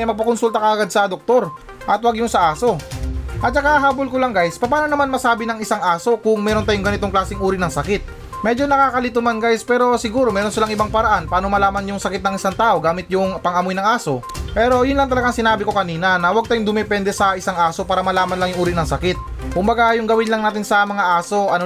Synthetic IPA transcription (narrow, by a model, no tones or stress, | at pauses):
ɐjmɐɡ̚pɐkonsult̪ɐkɐʔɐɡad̪̚sɐd̪ok̚t̪o̞ɾ | ʔɐt̪wɐɡjʊŋsɐʔaːso̞ʔɐt̪̚nɐkɐʔaɦaːbolkolaŋɡajspɐpaːnonɐmanmɐsaːbɪnɐŋɪsaŋʔaːso̞kʊŋmɛːɾo̞nt̪ajʊŋɡɐnɪt̪oŋklaːsɪŋʔuːɾɪnɐŋsɐkɪt̪̚ | mɛd͡ʒo̞nɐkaːkɐlɪt̪ʊmanɡajspɛːɾo̞sɪɡuːɾo̞mɛːɾo̞nsɪlaŋʔɪbaŋpɐɾɐʔanpaːno̞mɐlaːmɐnjʊŋsɐkɪt̪nɐŋʔɪsaŋt̪aːʔoɡaːmɪt̪jʊŋpɐŋɐmojnɐŋaːso̞ | pɛːɾo̞jʊnlɐŋt̪ɐlɐɡaŋsɪnaːbɪko̞kɐniːnɐnɐwɐɡ̚t̪ajʊŋd̪ʊmɛpɛnd̪ɛsɐɪsaŋʔaːso̞paːɾɐmɐlaːmɐnlɐŋjʊŋʔuːɾɪnɐŋsɐkɪt̪̚ | kʊmbɐɡajʊŋɡɐwɪnlɐŋnaːt̪ɪnsɐmɐŋaʔaːso̞ʔɐno